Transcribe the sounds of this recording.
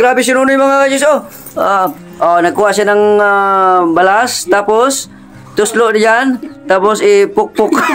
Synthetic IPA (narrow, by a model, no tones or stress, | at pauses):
ɡɾaːbɪs̬ɪnuːnʊjmɐŋaad͡ʒʊs̬o | a | ʔonɐɡ̚kːuːwaʔsanɐŋabɐlast̪aːpos | t̪ʊsloʔnd͡ʒant̪aːposɪpʊk̚pʊk